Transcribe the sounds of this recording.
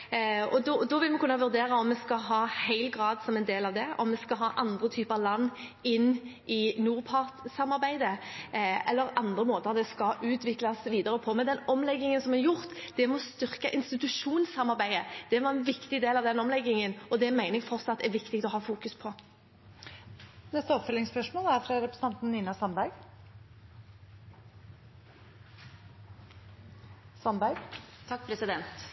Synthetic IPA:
ɔd̪ɔd̪ɔʋɪlmɛkʰʉnːɑʋʉɾd̪eːɾɑɔmːɛskɑɦɑːhæɪlɡʁɑːd̪sɔmɛnd̪eːlɑʋd̪ɛɔ̰mːɛskɑɦɑːʔɑnd̪ʁət̪ʰyːpəɑʋlɑnːɪnːʔɪnuːʁpʰɑʁt̪sɑmɑɾbæɪd̪ə | ɛlːəɾɑnd̪ʁəmoːt̪əʁd̪ɛskɑʔʉːt̪ʋɪklɑsʋiːd̪əɾəpʰɔmɛnd̪ɛnɔmlɛɡːɪŋənsɔmɛjʊʁt̪d̪̥ɛmɔst̪ʏʁkɑʔɪnst̪ɪt̪ʉʃuːnsɑmɑʁbæɪəd̪̥ɛʋɑʁɛnʋɪkt̪ɪd̪eːlɑʋd̪ɛnɔmlɛɡːɪŋənɔd̪ɛmæɪnəɡfɔɾsɑt̪̚d̪ɛʋɪkt̪ɪk̚t̪ɔɦɑːfuːkʉspʰɔ | nɛst̪əɔpfœlːɪŋspœʂmoːlæɾfɾɑɾɛpɾəst̪ɑnt̪n̩niːnɑsɑnbæɾɡ | sɑnbæɾɡt̪ʰɑk̚ːpʰɾɛsɪd̪ɛnt̪

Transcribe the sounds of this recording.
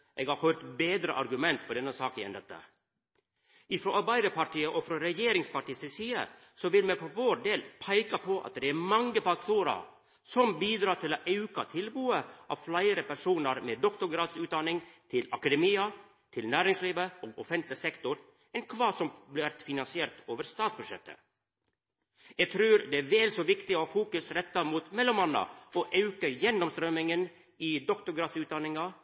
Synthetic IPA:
ʔeːɡhɑɾhœʏɾt̪beːd̪ɾəʔɑɾɡʉmɛnt̪fɔɖɛnːəsɑːkəɛ̰nd̪ɛt̪ːə̰ | ʔɪfɾɔʔɑɾbæɪd̪əpʰɑɾʈiːəʔɔfɾɔɾɛjeːɾɪŋspɑʈiːsɪsiːə̰ | sɔʋɪlmɛfɔɾʋoːɾɖeːlpʰæɪkɑpʰɔʔɑ̰t̪̚d̪ɛæɾmɑŋːəfɑk̚t̪ʰuːɾə̰ɾ | sɔmbiːd̪ɾɑːʈ̪ɪloʔɛʉkɑt̪ʰɪlbuːəʔɑ̰ʋflæɪəɾəpæʂuːnəɾmeːd̪ɔkt̪ʊɾɡɾɑːd̪sʉːt̪d̪ɑnɪŋt̪ʰɪlɑkɑd̪ɛmiːɑ | t̪ʰɪlnæːɾɪŋsliːʋəo̰ːɡɔfɛnt̪lɪsɛkt̪ʊɾ | ɛnkʰʋɑːsɔmblɪʋæɾt̪fɪnɑnsɪeːɾt̪oːʋəɾst̪ɑːt̪sbʉʂɛ̰t̪ʰːə̰ | jɛɡt̪ʰɾʉːɾd̪ɛæɾʋeːlsoːʋɪkt̪ɪoːfuːkʉsɾɛt̪ːɑmuːt̪mɛlɔmɑnːɑ̰oʔɑʉkəjɛnːɔmst̪ɾœmɪŋən | id̪ɔkt̪ʊɾɡɾɑːd̪sʉːt̪̚d̪ɑnɪŋɑ

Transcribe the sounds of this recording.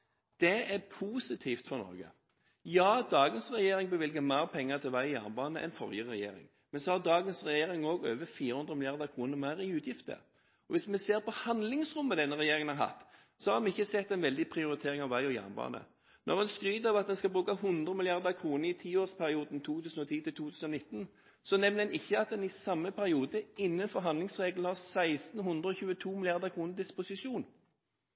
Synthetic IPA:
d̪̥ɛɛʁpʰuːsɪt̪ʰiːft̪fɔʁnɔ̰ɾɡə̰ | jɑːd̪ɑːɡənsʁɛjeːɾɪŋbəʋɪlɡəmæɪʁpʰɛŋːəʁt̪ʰɪlʋæɪɔjæ̰ʁnbɑːnəʔɛ̰nfɔ̰ʁjəʁɛjḛːɾɪ̰ŋ | mɛnsɔhɑʁd̪ɑːɡənsʁɛjeːɾɪŋoːɡøːʋəfiːʁəhʉnd̪ʁəmɪlɪɑʁd̪əkʰʁuːnəʁmæʁɪʉːt̪ʰjɪft̪ə̰ | ɔʋɪsmɛseːʁpɔhɑnd̪lɪŋsʁʊmːəd̪ɛnːəʁɛjeːɾɪŋənhɑɾɦɑ̰t̪ː | sɔhɑɾdɛɪçːəsɛt̪ːɛɪnʋɛld̪ɪpʰʁɪʊɾɪt̪ʰeːʁɪŋɑʋʋæɪɔjæ̰ːnnbɑ̰ːnə̰ | nʔɔ̰ʁɛnskʁyːd̪ɑʋɑt̪̚d̪ɛnskɑlbʁʉːkəhʉnd̪ʁəmɪlɪɑʁd̪əkʰɾʁuːnəɾɪt̪ʰiːoːʁspʰæʁɪuːd̪n̩t̪ʰuːt̪ʰʉːsn̩ɔt̪ʰiːt̪ɪlt̪ʰuːt̪ʰʉːsn̩ɔnɪt̪ːn̩ | sɔnɛmnd̪ɛnɪçːəɑt̪̚d̪ɛnɪsɑmːəpʰæʁɪuːd̪əɪnːənfɔʁɦɑnd̪lɪŋsʁeːɡln̩hɑʁsæɪst̪n̩hʉnd̪ʁəɔçʉːət̪ʰuːmɪlɪɑʁd̪əʁkʰʁuːnəɾd̪ɪspʊsɪʂuːn

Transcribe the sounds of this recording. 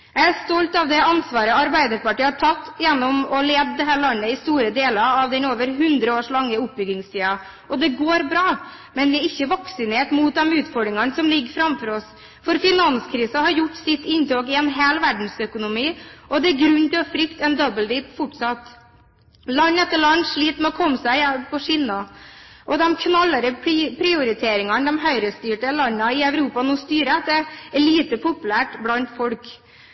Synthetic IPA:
jæɪæst̪ɔlt̪ɑʋd̪ɛɑnsʋɑːɾəɑɾbæɪd̪əɾpɑʈiːhɑʈʰɑt̪ːjɛnːɔmɔleːd̪d̪ɛɦæːɾɭɑnːəɪst̪uːɾəd̪eːlɑɾɑʋd̪ɛnoːʋəɾɦʉnd̪ɾəoːʂɭɑŋːəʊp̚ːbʏɡɪŋst̪ʰiːɑ | ʔɔd̪ɛɡoːɾbɾɑː | mɛnʋɪæɾɪçːəʋɑksɪneːʈ̪muːt̪̚d̪ɛmʉːt̪fɔɖɾɪŋɑnsɔmlɪɡfɾɑmfɔɾɔs | fɔɾfɪnɑnskʰɾiːsəhɑɾjʊʈːsɪt̪ːɪnt̪oːkɪɛnɦeːlʋæɖɳ̩sœkʊnʊmiːʔɔd̪ɛæɾɡɾʉnːt̪ɪlɔfɾʏkt̪ɛnd̪ɔbəld̪iːpfʊʈsɑt̪ː | lɑnːɛt̪ːəɭɑnːʂɭiːt̪mɛɔkʰɔmːəsæɪɛpʰɔʂiːnɑʔɔd̪ɛmkʰnɑlːəɾəpʰɾɪʊɾɪt̪ʰeːɾɪŋɑnd̪ɛmɦœʏɾəst̪yːʈəlɑnːɑɪœʉɾuːpɑnɔst̪yːɾəɑt̪ːɛɭiːt̪əpʰʊpʉlæːʈblɑnt̪fɔlk

